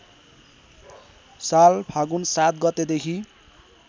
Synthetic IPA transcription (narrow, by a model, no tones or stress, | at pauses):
salpʰaɡunsat̪̚ɡʌt̪ed̪ekʰi